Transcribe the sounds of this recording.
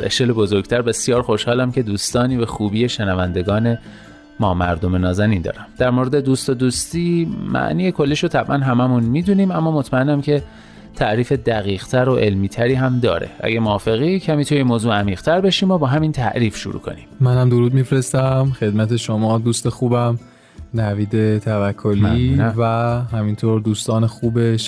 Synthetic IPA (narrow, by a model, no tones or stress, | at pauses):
ḛʃkelebozoɾɡt̪ʰæɾbe̞sjɒːɾxo̞ʃhɒːlæmce̞d̪uːst̪ɒːniːvæxuːbiːjeʃenævænd̪e̞ɡɒːne̞ | mɒːmæ̰ɾd̪o̞me̞nɒːzæniːnd̪ɒ̰ːɾæmd̪̥æɾmoɾed̪e̞d̪uːst̪od̪uːst̪iːmæ̰ʔniːjekʰo̞lːiːʃot̪ʰæbʔænɦæmæmunmiːd̪uniːmæmːɒːmot̪ʰmæenːæmcʰe̞ | t̪ʰæʔɾiːfe̞d̪æɣiːʁt̪ʰæɾoʔe̞lmiːt̪ʰæɾiːɦæmd̪ɒ̰ːɾḛʔæ̰ɟemoɒːfe̞ɣicʰæmiːt̪ʰujemoːzuːæmiːʁ̥t̪ʰæɾbeʃiːmobɒːɦæmint̪ʰæ̰ʔɾiːfʃṵɾṵːkʰo̞̰nḭmmænhæmd̪oɾuːd̪̚mifɾest̪æmxe̞d̪mæt̪ʰe̞ʃomɒːd̪uːst̪exuːbæm | næviːd̪e̞t̪ʰævækʰːoliːvæhæmint̪ʰoːɾd̪uːst̪ɒːnexuːbeʃ